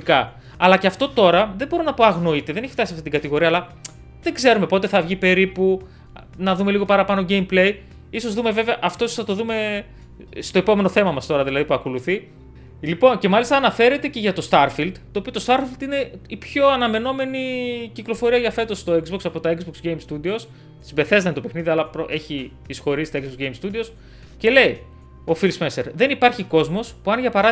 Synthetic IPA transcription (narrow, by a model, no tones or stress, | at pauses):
ikɐ | ɐlɐceɐft̪o̞t̪o̞ɾɐðebo̞ɾonɐpo̞ɐɣno̞it̪e̞ðeneçi̥ft̪ɐsiɐft̪it̪iɡɐt̪iɣo̞ɾiɐlɐ | ðeɡze̞ɾume̞po̞t̪e̞θɐvʝipe̞ɾipu | nɐðume̞liɣo̞pɐɾɐpɐno̞ɟejmple̞j | iso̞zðume̞ve̞veɐʔɐft̪o̞isosθɐt̪o̞ðume̞ | st̪o̞e̞po̞me̞no̞θe̞mɐmɐst̪o̞ɾɐðilɐðipuɐko̞luθi | lipo̞nce̞mɐlist̪ɐːnɐfe̞ɾe̞t̪e̞ce̞ʝɐt̪o̞st̪ɐɾfild̪t̪ːoːpiot̪ost̪ɐɾfild̪ine̞ipço̞ɐnɐme̞no̞me̞niciklo̞foɾiɐʝɐfe̞t̪o̞st̪o̞ekzboksɐpo̞t̪ɐekzboksɡejmst̪ud̪io̞s | simbe̞θe̞zɐnit̪o̞pe̞xniðiɐlɐpɾoʔe̞çi | isxo̞ɾisit̪ekzbokʝejmst̪ud̪io̞s | ce̞le̞i | o̞filsmeseɾðe̞nipɐɾçiko̞zmo̞spuɐnʝɐpɐɾɐ